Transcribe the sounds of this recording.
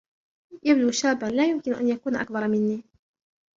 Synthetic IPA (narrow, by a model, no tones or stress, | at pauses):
jabduːʃaːbːalaːjʊmkɪnʊʔa̰njakuːnaʔa̰k̚bɑɾˤmɪnːiː